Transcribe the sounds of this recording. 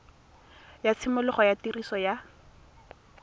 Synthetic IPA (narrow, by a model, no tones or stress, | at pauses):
jat͡sʰɪmʊlʊχɔjatirisɔja